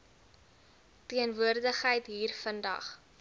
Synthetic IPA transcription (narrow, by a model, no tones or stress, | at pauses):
tiənvuərdəχɦəjtɦiːrfəndɐ̰χ